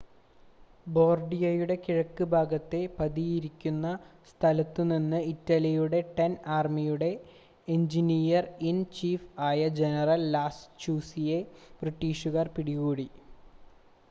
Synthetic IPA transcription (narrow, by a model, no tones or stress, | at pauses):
bo̞ːrɖijɐjuɽe̞kiɻɐkːɨbʱaːɡɐt̪ːe̞pɐðijiɾikʲːunːɐst̪ʰɐlɐt̪ːɨninːɨitːɐlijuɽe̞ʈenaːrmijuɽe̞ | eɲd͡ʑiniːjɐrint͡ɕiːfaːjɐd͡ʑenɐrɐlːaːst͡ɕuːsijeb̥riʈːiːʂuɣɐrpiɽiɣuːɽi